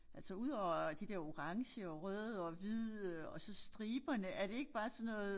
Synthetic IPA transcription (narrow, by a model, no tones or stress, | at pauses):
ʔæl̰sɒuð̞ˠɒʊ̰ɐd̥id̥eɐo̝ʁɑ̈ŋɕəɒʁœððˠɒʋið̰ˠɒ̽sɒ̽sd̥ʁiːb̥ɐnəʔæɐd̥e̝e̝ɡ̥əb̥ɑ̈ːsɒ̽nːɔ̽ːð̩ˠ